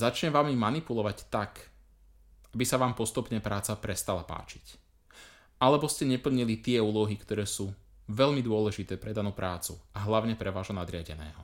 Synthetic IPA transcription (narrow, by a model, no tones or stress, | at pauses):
zat͡ʃɲɛmʋaːmimanipulɔʋact̪ak | abisaʋaːmpɔst̪upɲɛpɾaːt͡sapɾɛst̪alapa̰ːt͡ʃi̥c | ʔalɛbɔscɛɲɛpl̩ɲilit̪ɪɛuːlɔɦikt̪ɔɾɛːsuː | ʋɛʎmid̪ʊɔlɛʒit̪ɛːpɾɛd̪anuːpɾaːt͡suaɦlaʊɲɛpɾɛʋaːʒɦɔnad̪ɾɪaɟɛ̰nɛ̰ːɦɔ